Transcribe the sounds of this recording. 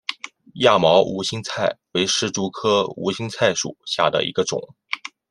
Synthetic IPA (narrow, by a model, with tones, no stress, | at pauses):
ja˥˩mɑ˧˥ʊʔṵ˧˥ɕi˥ŋt͡sʰa˥˩ɪwe˧˥ɪʂɻ̩˥˩ʈ͡ʂu˧˥kʰɤ˥ṵ˧˥ɕi˥ŋt͡sʰa˥˩ɪʂṵ˨˩ɕja˥˩d̪ə̰˩ḭ˧˥ɡə˧ʈ͡ʂʊ̰˨˩˦ŋ